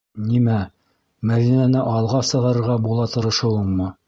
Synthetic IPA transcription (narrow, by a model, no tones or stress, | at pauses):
nimæ | mæðinænɘʔɑlˠʁɑsɤ̆ʁɑɾɤ̆ɾʁɑbulˠɑt̪ɤ̆ɾɤ̆ʃɤ̆wɤɴmɤ